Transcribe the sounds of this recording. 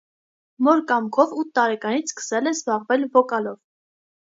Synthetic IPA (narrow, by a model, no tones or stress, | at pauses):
mɔɾkɑmkʰɔvut̪ʰːɑɾɛkɑnit͡sʰskə̥sɛlɛzbɑʁvɛlvɔkɑlɔv